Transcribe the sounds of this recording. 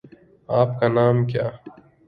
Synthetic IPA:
aːpkanaːmkjaː

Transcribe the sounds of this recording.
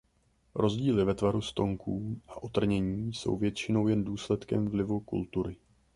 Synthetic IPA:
ɾo̞zɟiːlɪvɛt̪vaɾust̪o̞ŋkʰuːʔaʔo̞t̪r̩ɲɛɲiːso̞̰wvjɛt̪t͡ʃɪno̞wjɛnduːslɛt̪kɛmvlɪvukṵlt̪uɾɪ

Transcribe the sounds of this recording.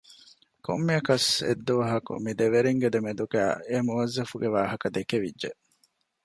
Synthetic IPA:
ko̰mːiɐkɐsḛd̪ːuʋɐɦɐkṵmid̪eʋeɾiŋɡed̪emed̪uɡæ̰ːemuʋɐzːɐfuɡeʋaːɦɐkɐd̪ekeʋidːʒeʔ

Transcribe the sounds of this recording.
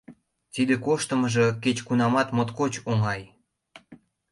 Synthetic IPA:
t̪id̪ekoʃt̪əməʒeket͡ɕkunɑmɑt̪mot̪kot͡ɕoŋɑj

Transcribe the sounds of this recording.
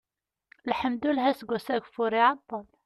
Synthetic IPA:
lħəmd̪ulɦæsɡusæɡfuɾiʕɑt̪ˤːɑl

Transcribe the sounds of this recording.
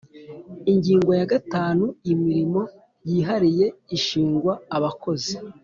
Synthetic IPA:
iɲɟiːŋɡo̞jaɡataːnuimiɾimo̞ | jiːɦaɾije̞iʃiːŋɡwaːβako̞zi

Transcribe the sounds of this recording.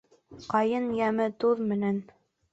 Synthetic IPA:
qɑjɤnjæmɘt̪uðmɘ̆næn

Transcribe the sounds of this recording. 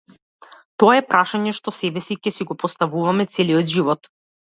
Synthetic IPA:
t̪ɔaɛpɾaʃaɲɛʃt̪ɔsɛbɛsicɛsiɡɔpɔst̪avuvamɛt̪sɛliɔd̪ʒivɔt̪

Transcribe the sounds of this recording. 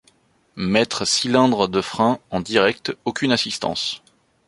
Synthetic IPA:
mɛt̪χəsilɛ̃d̪ʁəd̪əfχɛ̃ɑ̃d̪iʁɛk̚t̪okʲynasist̪ɑ̰̃s

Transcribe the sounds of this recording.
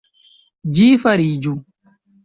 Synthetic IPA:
d͡ʒiːfɐɾiːd͡ʒu

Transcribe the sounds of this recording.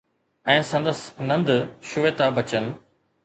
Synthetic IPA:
ɛ̃ːsɐ̃nd̪əsnɐ̃nd̪ʃʊʋeːt̪abɐt͡ɕən̆

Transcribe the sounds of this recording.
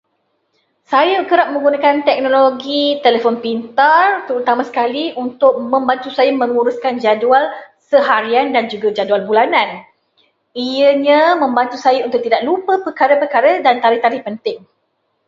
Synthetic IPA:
sajəkəɾap̚mə̃ŋɡunakant̪ɛk̚noloɡit̪elefɔnpint̪art̪əɾut̪amãsə̥kaliunt̪ʊk̚mə̃mbant̪usajəmə̃ŋuɾʊskand͡ʒadual | səɦaɾiandand͡ʒuɡad͡ʒadualbulanãn | ijəɲə̃mə̃mbant̪usajəunt̪ʊk̚t̪idaʔ̚lupəpərkaɾəpərkaɾədant̪aɾɪht̪aɾɪhpənt̪ɪŋ

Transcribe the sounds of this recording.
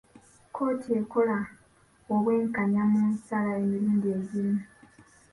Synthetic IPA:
kʰo̞ːtʰie̞ko̞la | oβwe̞ːŋkaɲamunsalaemiɾuːndie̞ɟima

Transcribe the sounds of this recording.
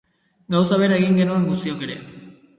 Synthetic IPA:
ɡaws̬aβ̞e̞ɾaeɣiŋɡe̞nue̞ŋɡust̪io̞ke̞ɾe̞̰

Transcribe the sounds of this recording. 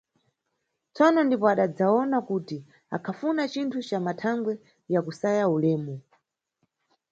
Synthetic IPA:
t͡sɔnɔndipɔaɗad͡zaɔnakuti | a̰kʰafunat͡ʃintʰut͡ʃamatʰaŋɡwɛ | jakusajaulɛːmɔ

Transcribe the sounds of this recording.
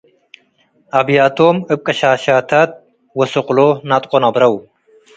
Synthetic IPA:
ɐbjaːt̪oːmɨp̚kʼɐɕaːɕaːt̪ʰɐt̪̚ | wɐsoqlonɐt̪qʷonɐbɾɐw

